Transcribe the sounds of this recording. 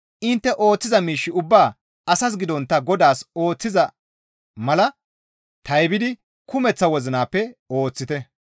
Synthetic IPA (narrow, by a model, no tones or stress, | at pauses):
ʔɪnt̪ːɛʔo̞ːt͡sːɪzɐmiːʃːɪʊbːaː | ɐsɐs̬ɡɪd̪ɔnt̪ːɐɡɔd̪aːso̞ːt͡sːɪzɐ | mɐlɐ | t̪ɐjbɪd̪ɪ | kʊmɛt͡sːɐwɔzɪnaːpːɛo̞ːt͡sːɪt̪ɛ